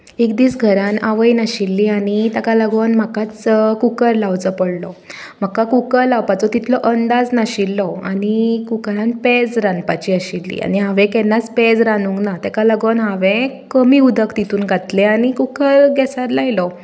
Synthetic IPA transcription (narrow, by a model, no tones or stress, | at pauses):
ekd̪iːsɡʱəɾãnaʋəjnaɕilːiːañit̪akalaɡonm̤akat͡skukəɾlawt͡səpəɽlɔ | m̤akːakukəɾlawpat͡sɔt̪it̪ʰlɔʔənd̪ad͡znaɕilːɔa̰ɽikukəɾãnped͡zɾanpat͡ɕiːəɕilːḭːa̰niɦaʋẽkɛnat͡spɛd͡zɾanuŋknat̪ɛkalaɡonɦaʋẽkəmiːud̪ʱəkt̪it̪uːnɡʱat̪leaɽ̃ikukəɾɡɛsaɾlajlɔ